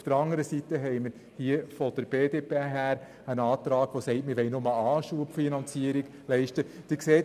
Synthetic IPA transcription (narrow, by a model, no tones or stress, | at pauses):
fd̥əɾɑŋəɾəsit̪əɦɛɪməɾ | hiəfɔd̥̪əɾb̥eːdeːpeɦæːɾ | ənɑːt̪ɾɑːɡ̥ʋosɛɪtmɪɾʋɛɪnomɑlɑːʃuəpfinɑnt͡siəɾiɡ̥ | lɛɪʃtəd̥iːkseːt